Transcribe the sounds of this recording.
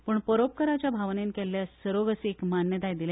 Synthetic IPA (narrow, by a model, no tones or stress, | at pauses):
pəːɳpəɾop̚kəɾat͡ɕjabʱaʋnenkɛlːjasəɾoɡəseekmanjət̪ajd̪ile